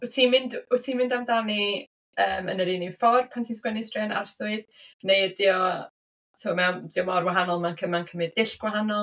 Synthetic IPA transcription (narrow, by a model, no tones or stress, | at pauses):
utʰiːmɪndʊtʰiːmɪndamdani | əːmənəɾininfɔrpʰantʰiskwɛnɪsd̥rɛna̰rsʊɨdnejdiɔ | tʰɔmɛwnd̥iɔmɔrwaɦanɔlˠmankʰəmankʰəmɪdɪɬɡ̥waɦanɔlˠ